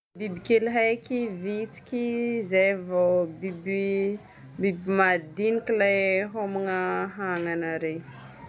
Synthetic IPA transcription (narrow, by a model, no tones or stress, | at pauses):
bibikelɦajkivit͡si̥kʲizajvobibi | bibimad̪inikʲilajɦomiŋaɦaŋanaɾe